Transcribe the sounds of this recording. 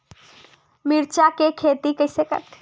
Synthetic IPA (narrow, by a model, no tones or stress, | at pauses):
mɪɾt͡ʃakekʰeːt̪ikəɪsekə̰ɾt̪